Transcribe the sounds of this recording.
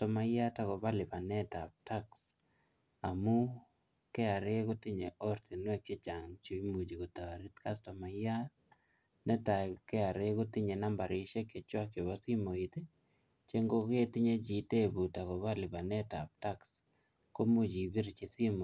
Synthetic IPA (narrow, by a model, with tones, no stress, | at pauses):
tɔ˨ma˨ja˦ta˨kɔ˨ba˦lɪ˨pa˨nɛ˦ta˨p̚ta˦ks | a˨mu˦ | kɛ˦a˨ɾe˦ku˦ti˦ɲe˨ʔɔ˦ɾti˨nwɛ˦k̚t͡ʃe˦t͡ʃa˨ŋt͡ʃu˦i˦mu˨d͡ʒi˨ko˨ta˨ɾi˦tka˦stɔ˨ma˨ja˦ | nɛ˦ta˨kɛ˦a˨ɾe˦kʊ˦ti˦ɲe˨na˦mba˨ɾi˨ʃe˦ke˨t͡ʃwa˦kje˨βɔ˦si˦mo˨i˨te˦ | t͡ʃe˦ŋɡo˦ke˦ti˦ɲe˦t͡ʃi˨te˦bu˨ta˨kɔ˨βa˦lɪ˨pa˨nɛ˦ta̰˨p̚ta˦ks | ko˦mu˦d͡ʒi˨bi˦ɾt͡ʃi˨si˦mo˨